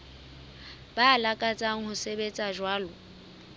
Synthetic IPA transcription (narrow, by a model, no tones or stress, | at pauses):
b̥alakʼat͡sʼaŋ̩hʊsebet͡sʼaʒwaːlɔ